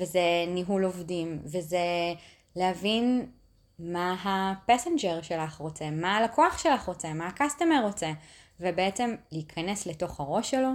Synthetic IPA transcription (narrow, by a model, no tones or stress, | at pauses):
vezeniɦulovdimveze | lehavin | maɦapasend͡ʒeʁʃelaχʁo̞t͡se̞malakʰoaχʃelaχʁo̞t͡semaakastemeʁo̞t͡se | vebeet͡se̞mleikʰɐnesleto̞χhaʁo̞ʃelo̞